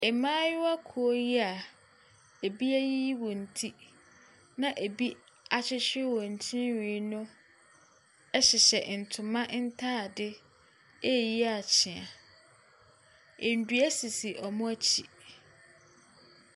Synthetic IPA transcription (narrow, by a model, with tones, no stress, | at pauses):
ɛ˨mãː˦jʊ˦wa˦kʰu˨o˦ji˦a˨ | e˨bi˦æ˦ji˦wɔ˨n̩˨tʰi˦ | nã˦ʔe˨bi˦ | a˨t͡ɕʰɪ˦ɕᶣɪ˦wɔ˨ɲ̩˨t͡ɕʰĩ˦nɥĩ˨˦nʊ̃˦ | ɛ˦ɕɪ˨ɕɛ˨n̩˨tʰʊ˨mã˦ʔn̩˦tʰa˦˨dɪ˦ | e˦˨ji˦a˨t͡ɕʰɪ̃˨ã˨ | e˨n̩˨dɥæ˦si˨si˨ʔɔ˨mʊ̃˦æ˦t͡ɕʰi˨